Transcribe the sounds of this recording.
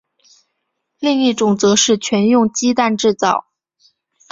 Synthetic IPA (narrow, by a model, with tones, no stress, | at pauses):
li˥˧ŋi˥˩ʈ͡ʂʊ˨˩ŋt͡sɤ˧˥ʂɻ̩˥˩t͡ɕʰɥɛ˧˥njʊ˥˧ŋt͡ɕi˥t̪a˥˧nʈ͡ʂɻ̩˥˧t͡sɑ˥˩ʊ